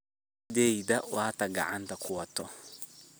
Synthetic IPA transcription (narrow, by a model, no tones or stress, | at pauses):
deidawataɡa̰ʔantakʰuatɔ